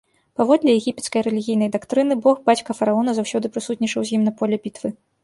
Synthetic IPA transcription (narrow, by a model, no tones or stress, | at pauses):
pavɔd̪lʲɛjɛɣʲipʲɛt̪skɐjrɛlʲiɣʲijnɐjd̪akt̪ɾɨnɨbɔɣbat͡sʲkɐfɐɾaɔnɐzawsʲɔd̪ɨpɾɨsut̪ʲnʲit͡ʂɐwzʲjimnɐpɔlʲɛbʲit̪vɨ